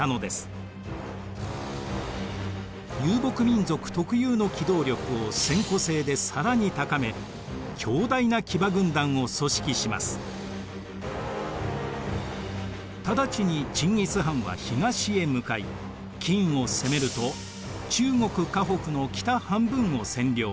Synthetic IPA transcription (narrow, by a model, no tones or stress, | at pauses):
ano̞d̪e̞sɨ̥ | jɨːbo̞kɯ̟mʲĩnzo̞kɯ̟̥t̪o̞kɯ̟jɯːno̞kʲid̪o̞ːɾʲjo̞kɯ̟o̞sẽ̞ŋko̞se̞ːd̪e̞saɾaɲ̟it̪akame̞ | kʲʰo̞ːd̪ainakʲibaɡɯ̟̃nd̪ãɰ̃o̞so̞ɕi̥kʲiɕima̰sɨ̥ | t̪ad̪at͡ɕiɲ̟it͡ɕĩŋːʲit͡sɨɦãɰ̃βa̰çiŋaɕie̞mɯ̟kaḭ | kʲĩĩɰo̞se̞me̞ɾɯ̟t̪o̞ | t͡ɕɨːŋo̞kɯ̟kaɦo̞kɯ̟no̞kʲi̥t̪ahãmbɯ̟̃ɰ̃o̞sẽ̞nɾʲjo̞ː